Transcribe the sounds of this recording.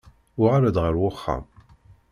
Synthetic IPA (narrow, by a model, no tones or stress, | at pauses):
ʊʁaɾad̪ʁəɾwʊχːa̰m